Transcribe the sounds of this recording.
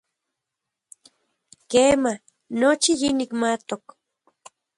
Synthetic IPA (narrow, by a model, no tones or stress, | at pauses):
keːma | not͡ʃijinikmat̪ok